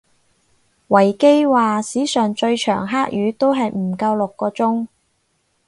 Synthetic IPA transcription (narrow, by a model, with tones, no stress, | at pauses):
wɐ˨˩jke˥jwaː˨siː˨˥sœː˨ŋt͡ʃɵ˧ɥt͡ʃʰœː˨˩ŋɦaː˥k̚jyː˨˥t̪o˥wɦɐ˨jm̩˨˩kɐ˧wlʊ˨kːɔː˧t͡sʊ˥ŋ